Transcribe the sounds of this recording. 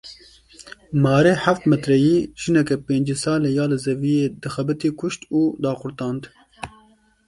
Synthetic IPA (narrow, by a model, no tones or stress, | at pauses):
mɑːɾeːħaft̪mɛt̪ɾɛjiːʒ̥ɨnɛkɛpeːnd͡ʒesɑːlejɑːlɨzɛvijeːd̪ɨxɛbɨt̪iːkʰʊʃt̪uːd̪ɑːxʊɾt̪ɑːnd̪